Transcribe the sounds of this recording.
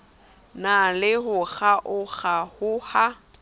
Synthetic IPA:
nalɪɦʊɣaʔʊɣahʊha

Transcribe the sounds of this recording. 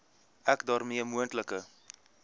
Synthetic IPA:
ækdɑːrmiəmuəntləkə

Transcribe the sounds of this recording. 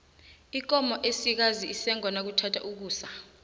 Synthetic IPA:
ik̬ɔmɔʔesik̬aziisɛŋwanak̬utʰatʰa̰ʔuk̬uːsa

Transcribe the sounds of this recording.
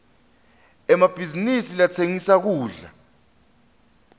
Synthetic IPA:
ɛmab̥ʱizinisilat͡sʰeŋisak̬uːɮa̰

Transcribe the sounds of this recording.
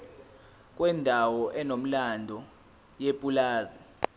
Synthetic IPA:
kʼwɛndʱawɔʔɛnom̩landʱɔ | jepʼulaːzi

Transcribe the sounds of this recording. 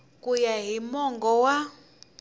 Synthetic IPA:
kujaɦimɔŋɡɔwa

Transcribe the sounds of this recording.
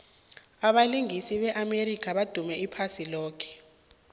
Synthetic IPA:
aɓaliŋisiɓɛʔamerikʰaɓad̥ʱumɛipʰasilɔːkʰɛ̥

